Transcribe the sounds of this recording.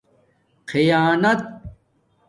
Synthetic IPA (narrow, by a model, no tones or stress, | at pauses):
qʰijaːnɐt̪̚